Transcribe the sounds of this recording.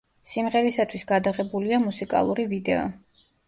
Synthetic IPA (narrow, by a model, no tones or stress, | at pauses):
simʁɛɾisat̪ʰwisɡad̪aʁɛbuliamusikʼa̰lˠuɾivid̪ɛɔ̰